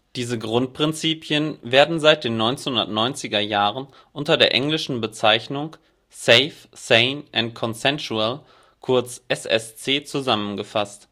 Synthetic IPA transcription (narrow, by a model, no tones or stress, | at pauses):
d̥iːzəɡʁʊnt̚pʁ̥ɪnt͡siːpʰjənveːɐdn̩zaɪt̚d̥eːnːɔʏnt͡senhʊndɐtnɔʏnt͡sɪɡɐjaːʁ̞ən | ʔʊntɐdeːɐʔɛŋlɪʃn̩bət͡saɪçnʊŋ | sɛɪf | seɪnʔɛntkʰɔnsɛnsuɛl | kʰʊɐt͡sʔɛsɛ̰st͡seːt͡suzamənɡəfast